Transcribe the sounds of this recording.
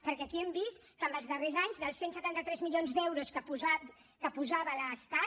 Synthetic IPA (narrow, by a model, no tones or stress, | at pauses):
pəɾkɛəkiɛmbist̪kəmbəlˠzðərezaɲzðəlˠsensət̪ant̪ət̪ɾɛzmilʎionzd̪ɛwɾuskəpuza | kəpuzaβələst̪a